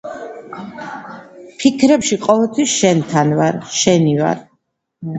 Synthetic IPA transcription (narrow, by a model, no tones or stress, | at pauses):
pʰikʰɾɛpʃiqʼɔvɛlˠt̪ʰwisʃɛnt̪ʰanvaɾʃɛniva̰ɾ